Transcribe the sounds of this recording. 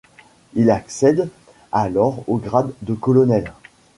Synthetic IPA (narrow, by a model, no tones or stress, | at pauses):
ilaksɛd̪ | alɔʁoɡʁad̪ːəkɔlɔnɛl